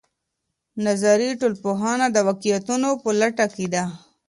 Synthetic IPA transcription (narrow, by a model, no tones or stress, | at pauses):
nazaɾiʈolpoɦɑnad̪əwakijat̪unopəlaʈaked̪a